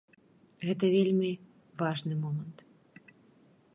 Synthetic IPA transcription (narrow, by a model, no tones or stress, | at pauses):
ɣɛt̪ɐvʲelʲmʲi | vaʐnɨmɔmɐnt̪